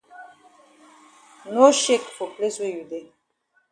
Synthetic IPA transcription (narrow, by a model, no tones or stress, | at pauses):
noʃekfopleswejud̪e